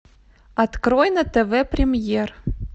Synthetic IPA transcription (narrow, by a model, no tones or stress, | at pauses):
ɐt̪kɾojnət̪eveprʲɪmʲjer